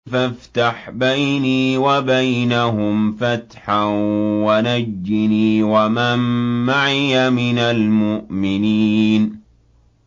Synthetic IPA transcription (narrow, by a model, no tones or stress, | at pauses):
faft̪aħbajniːwabajnaɦʊmfat̪ħanwanad͡ʒːɪniːwamamːaʕɪjamɪnalmʊʔmɪniːn